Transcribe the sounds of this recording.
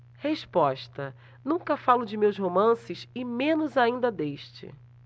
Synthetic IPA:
heʃpɔʃt̪ɐ | nũŋkɐfalʊd͡ʒɪmewzɦomɐ̃sɪʃɪmẽnʊzaĩnd̪ɐd̪eʃt͡ʃɪ̰

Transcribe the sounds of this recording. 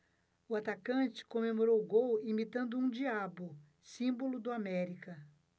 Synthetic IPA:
ʊat̪akɐ̃t͡ʃɪ̥kõmemoɾowʊɡowimit̪ɐ̃nd̪ʊũd͡ʒiabʊ | sĩbolʊd̪ʊamɛɾikɐ

